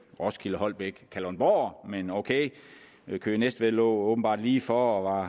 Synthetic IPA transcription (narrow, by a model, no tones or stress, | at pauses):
ʁɒ̽skʰiləhɒ̽l̰b̥eɡ̥kʰælɒnb̥ɒ̰ːmenoʊkʰeɪ | kʰø̰ːnesd̥ʋelɔ̰ːoːb̥n̩b̥ɑ̰̈ːd̥liːfɒːɒʋɑ̈